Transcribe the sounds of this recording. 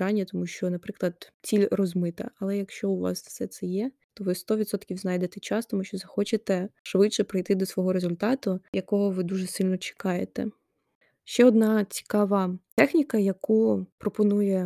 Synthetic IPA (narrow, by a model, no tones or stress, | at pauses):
ɑnʲːɐt̪ɔmuʃt͡ʃɔnɐpɾɪklˠɐd̪t͡sʲilʲrɔzmɪt̪ɐ̰ʔɐlˠɛjɐkʃt͡ʃɔʊʋɑ̰sfsɛt̪sɛjɛ | t̪ɔʋɪst̪ɔʋʲit̪sɔt̪kʲiwznɑjd̪et̪ɛt͡ʃɑst̪ɔmuʃt͡ʃɔzɐxɔt͡ʃet̪ɛʃʋɪtʃɛpɾɪjt̪ɪd̪ɔsʋɔɦɔɾezʊlʲt̪ɑt̪ʊjɐkɔɦɔʋɪd̪uʒɛsɪlʲnɔt͡ʃɪ̥kɑjet̪ɛ̰ | ʃt͡ʃɛɔd̪nɑt͡sʲi̥kɑʋɐt̪ɛxnʲikɐjɐkupɾɔpɔnujɛ